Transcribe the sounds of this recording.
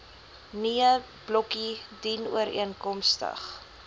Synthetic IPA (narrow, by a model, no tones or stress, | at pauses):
niə | b̥lɔkidinṵəɾḭənkɔmstə̰χ